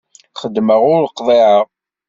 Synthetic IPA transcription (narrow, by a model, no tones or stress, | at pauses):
χəd̪ːməʁʊɾləqðˤeʕəʁ